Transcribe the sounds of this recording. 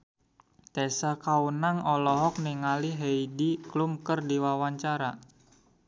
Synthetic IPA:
t̪ɛsakaunaŋɔlɔɦɔk̚niŋaliɦeidiklumkərdiwawaɲt͡ʃaɾa

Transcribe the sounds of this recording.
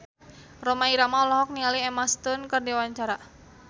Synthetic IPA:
romaiɾamaɔlɔɦɔk̚nialiɛmast̪ʊnkərdiwaɲt͡ʃaɾa

